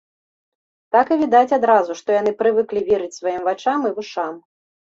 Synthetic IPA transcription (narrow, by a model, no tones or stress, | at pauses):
t̪akɨvʲid̪at͡sʲad̪ɾazuʂt̪ɔjan̪ɨpɾɨvɨklʲivʲiɾɨt͡sʲsvajimvat͡ʂamɨvɨʂam